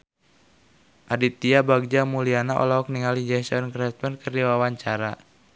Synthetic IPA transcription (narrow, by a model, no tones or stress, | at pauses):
ʔadit̪iabaɡ̚d͡ʒamulianaʔɔ̰laɔk̚niŋalid͡ʒɛsɔnkɾɛt̪̚mɛnkərdiwawaɲt͡ʃaɾa